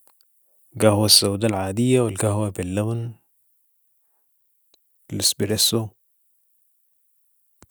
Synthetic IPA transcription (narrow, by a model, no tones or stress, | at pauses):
ɡahwasːawd̪alʕaːd̪ijːawɪlɡahwabilːabn | lɪsbiɾesu